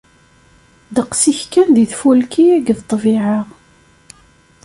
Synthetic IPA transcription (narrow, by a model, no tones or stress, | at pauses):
ðəqsiçkænðiθfulkiæɡðt̪ˤːvɪʕəʁ